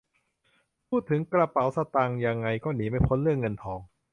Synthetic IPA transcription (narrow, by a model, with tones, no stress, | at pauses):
pʰuː˥˩t̪ʰːɯ˩˦ŋkɾa˧pa˩˦wsa˧t̪aː˧ŋja˧ŋːa˧jkɔː˥˩niː˩˦ma˥˩jpʰo˦˥nlɯ˥˩əŋːɤ˧nt̪ʰɔː˨˧ŋ